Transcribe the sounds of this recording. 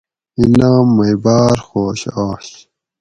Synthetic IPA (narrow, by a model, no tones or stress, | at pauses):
inaːmːɐjbaːɾxoːɕaːɕ